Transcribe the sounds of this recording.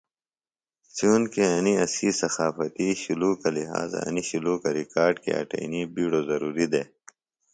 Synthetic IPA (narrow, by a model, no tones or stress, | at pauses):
sjuːnkeɐniɐsiːsɐxaːfɐt̪iɕuluːkɐliɦa̰ːz̰ɐ̰niɕuluːkɐɾikaːɾɖkḛɐ̰ʈɐ̰inibiːɽoːzɐɾuːɾid̪eː